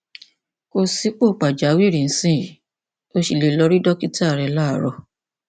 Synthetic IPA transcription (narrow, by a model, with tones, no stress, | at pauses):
o˧si˦k͡po˦˨k͡pa˨d͡ʒa˨˦wi˦˨ɾĩ˨n̩˦sĩ˦i˨ | o˦ʃi˧˨le˧˨lɔ˧ɾi˦dɔ˦ki˦ta˦˨ɾɛ˧la˦˨ɾɔ˧